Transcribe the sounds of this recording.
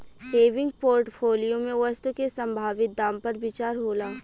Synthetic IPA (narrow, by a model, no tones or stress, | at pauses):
peːʋɪ̃ŋɡ̚poːɾʈpʰoːlijomẽʋəst̪ukesə̃mbʱaːʋɪt̪̚d̪ãːmpɐɾbɪt͡ʃaːɾɦoːlaː